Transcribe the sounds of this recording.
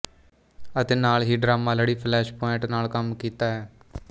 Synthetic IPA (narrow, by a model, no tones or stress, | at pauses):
ət̪eːnaːlɦiːɖɾaːmãːləɽiːpʰlɛːʃpɔːɪɳʈnaːlkəmkiːt̪aːɦɛː